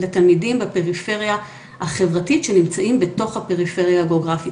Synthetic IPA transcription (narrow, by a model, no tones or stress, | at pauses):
letalmidimbepe̞ʁife̞ʁja | haχevʁatitʃenimt͡saʔimbeto̞χhape̞ʁife̞ʁjaaɡeoɡʁafi